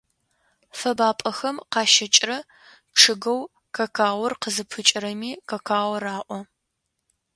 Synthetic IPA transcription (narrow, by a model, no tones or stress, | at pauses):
fɐbaːpʼɐxɐmqɑːʃɐt͡ʃʼrɐ | ʈ͡ʂʰɨɡɐw | kʰɐkʰaːwʷɐrqəzɨpʰɨt͡ʃʼɪɾɐmiːkɐkʰaːwʷɐraːʔʷɔ